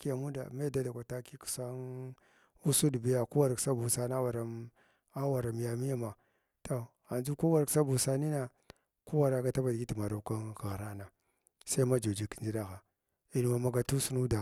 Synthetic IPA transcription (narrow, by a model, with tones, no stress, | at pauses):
ki˦ja˨mu˦da̰˨me˦da˦da˨kʷa˨ta˦ki˦ku̥˨sa˦n | u˦su˦du˨bi˦ja˨ku˦wa˨ɾksa˦bu˨sa˦na˦wa˨ɾa˨ | a˦wa˨ɾa˨m˨ja˨mi˦ja˦ma˨ | to˨ | a˨nd͡ʒu˦ku˦wa˨ɾksa˦bu˨sa˦ni˦na˨ | ku˦wa˨ɾa˦ɡa˦ta˦ba˨dɡi˦ti˨ma˨ɾa˨ka˦ka˨ɣɾa˦na˨ | sa˦i˦ma˦d͡ʒa˨d͡ʒi˨ki̥˨nd͡ʒi˦da˦xa˨ | i˨nu˨wa˨ma˨ɡa˨tu˦su˦nu˦da˨